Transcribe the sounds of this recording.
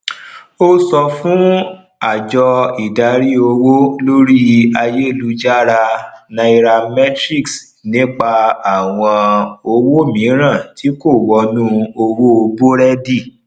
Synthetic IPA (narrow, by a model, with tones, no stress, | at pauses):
o˦sɔ˧fũ˦ | a˨d͡ʒɔ˧i˨da˧ɾi˦o˧wo˦lo˦ɾi˦a˧je˦i˦˨lu˦d͡ʒa˦˨ɾa˧nã˧i˧ɾa˧mɛ˦tɾi˦˨ks | nĩ˦k͡pa˧a˦˨w̃ɔ̃˧o˧wo˦˨mĩ˨˦ɾ̃ã˦˨tʰi˨˦ko˦˨wɔ˧nũ˦o˧wo˦o˧bo˦ɾɛ˦di˦˨